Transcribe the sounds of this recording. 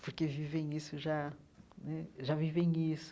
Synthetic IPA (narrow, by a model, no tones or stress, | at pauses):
puɾkevivẽj̃isuʒa | nɛʒavivẽj̃isu̥